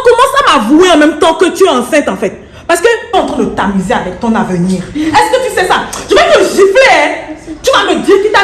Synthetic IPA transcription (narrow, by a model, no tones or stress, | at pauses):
kɔmɑ̃sãmavueɑ̃mɛ̃mt̪ɑ̃kət̪yɛɑ̃sɛ̃t̪ɑ̃fɛt̪̚ | paʁskəɔ̃t̪ʁɛ̃d̪ət̪amizeavɛk̚t̪ɔ̃navəniʁɛskət̪ysɛsatyvɛoʒifleɛt̪ykamed̪ikit̪a